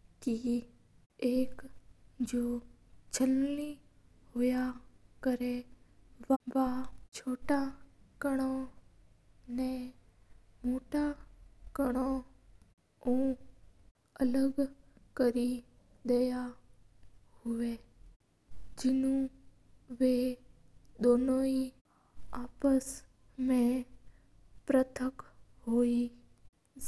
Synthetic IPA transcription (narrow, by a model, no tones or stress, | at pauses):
ki | eːk | d͡ʒoː | d͡ʒʰəlli | ɦʊjakəɾeʋʋat͡ʃʰoːʈakəɽ̃o | nẽ | moːʈakəɽ̃o | ũː | ələɡkəɾi | d̪eja | hʊʋe | d͡ʒɪnũ | ʋe | d̪oːnõi | aːpəs | mẽ | pɾət̪ʰəkɦoːi